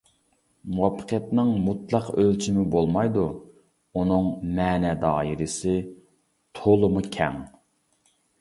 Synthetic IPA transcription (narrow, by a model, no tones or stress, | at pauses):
muwɑpʰːə̥qʰjɛt̪nɨŋmut̪lˠɑqølt͡ʃʰimɪbolˠmɑjd̪u | unɨŋmɛːnɛd̪ɑːiɾɪsɪ | t̪ʰolˠɨmukʲʰɛ̰ŋ